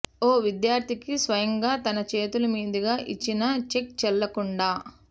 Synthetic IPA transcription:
oːʋid̪jaːɾd̪ʰʱikisʋɐjɐŋɡaːt̪ɐnɐt͡ʃe̞ːt̪ulɐmiːd̪ɐɡaːʔit͡ʃːinɐt͡ʃek̚t͡ʃɛlːɐkuɳɖaː

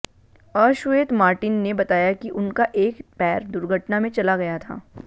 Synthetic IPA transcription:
əːʃʊeːt̪maːɾʈɪnːebɐt̪aːjakiʔʊnkaʔeːkpɛːɾd̪ʊɾɡʱəʈnamẽt͡ʃɐlaɡɐjat̪ʰa̰ː

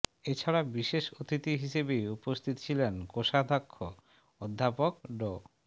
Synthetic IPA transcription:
et͡ɕʰaɾabiʃeʃot̪it̪iɦiʃebejupost̪ʰit̪o̥t͡ɕʰilenkoʃad̪ʱakʰːo | od̪ʱːapokɖo

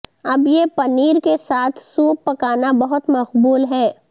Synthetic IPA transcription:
ɐbjepɐniːɾkesaːt̪ʰsuːpːɐkaːnabɐɦʊt̪mɐqbuːlɦɛː

